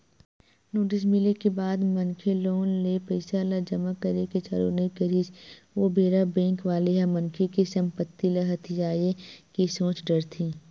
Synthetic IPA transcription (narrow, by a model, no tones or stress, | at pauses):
noːʈ̬ɪs̬mɪlekebaːd̪mɐ̃nkʰeloːnlepəɪsalad͡ʒɐmakɐɾeket͡ʃa̰ːɾo̰ːnɐikəɾid͡ʒʋobʱeːɾabɛ̃ːŋkʋaːleɦamɐŋkʰekesɐ̃mpət̪ːilɐɦət̪ʰid͡ʒaːjekesõːt͡ʃɖɐɾt̪ʰĩː